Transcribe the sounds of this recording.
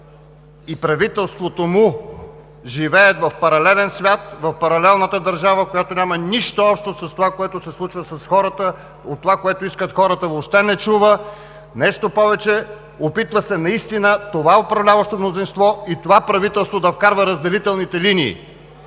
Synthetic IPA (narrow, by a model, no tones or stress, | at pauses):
ipɾɐvit̪ɛlˠst̪vot̪omʊ | ʒivɛɛt̪vɐfpɐɾɐlɛlɛnsvʲjat̪vɐfpɐɾɐlɛlˠnət̪əd̪ɐɾʒavəkojat̪onʲamɐniʃt̪oɔpʃt̪osɐst̪ovakoɛt̪osɛslˠut͡ʃvəsɐsxɔɾət̪ə | ot̪ːovakoɛt̪oʊiskət̪xɔɾət̪əvopʃt̪ɛnɛt͡ʃuvə | nɛʃt̪opɔvɛt͡ʃɛ | opit̪vəsɛnɐist̪inət̪ovaɛopɾɐvlʲavɐʃt̪omnozinst̪vɔit̪ovapɾɐvit̪ɛlˠst̪vod̪ɐfkaɾvəɾəzd̪ɛlit̪ɛlˠnit̪ɛlinḭː